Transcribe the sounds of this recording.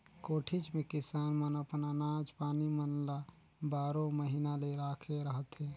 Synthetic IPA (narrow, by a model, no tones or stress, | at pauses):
koːʈʰɪt͡ʃmẽkɪsaːnmənəpnanaːd͡ʒpaːnimənla | baːɾõməɦinaleɾaːkʰeɾəɦət̪ɦɛː